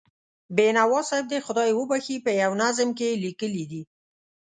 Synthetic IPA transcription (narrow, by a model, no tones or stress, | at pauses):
benawɑsɑɪb̚d̪exʊd̪ɑjwəbaxipəjawnazmkelikəlid̪i